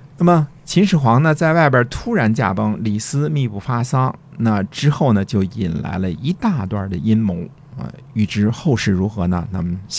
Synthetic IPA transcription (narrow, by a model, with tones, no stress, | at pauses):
na˥˩mə˩ | t͡ɕʰi˧˥nʂɻ̩˨˩xwɑ˧˥ŋnə˧t͡sa˥˧ɪwa˥˩ɪp̬ʲjə˧˥t̪ʰu˥ɻa˧˥nt͡ɕja̰˥˩pɤ˥ŋli˨˩sɹ̩˥mi˥˧pu˥˩fa˥sɑ˥ŋ | na˥˩ʈ͡ʂɻ̩˥xo˥˩ʊnə˩t͡ɕjo˥˩ʊi˨˩nla̰˧˥ɪlə˧i˧˥t̪a˥˧t̪wa̰˥˩d̪ə˩i˥nmo˧˥ŋ | ə̰˧ | y˨˩ʈ͡ʂɻ̩˥xo˥˧ʊʂɻ̩˥˩ɻu˧˥xɤ˧˥nə̰˧na̰˥˩mə˩n